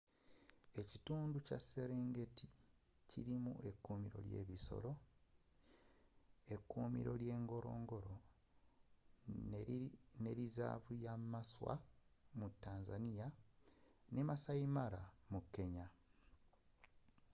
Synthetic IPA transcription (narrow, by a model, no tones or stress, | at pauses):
e̞cituːnducasːe̞ɾe̞ːŋɡe̞tʰi | ciɾimṵʔe̞kːuːmiɾo̞̰lje̞̰ːβiso̞̰lo̞ | e̞kːuːmḭɾo̞̰lje̞ːŋɡo̞ɾo̞̰ːŋɡo̞ɾo | ne̞ɾiza̰ːvujamaswa̰mutːaːnzanija | nemasaimaɾamukːe̞ɲa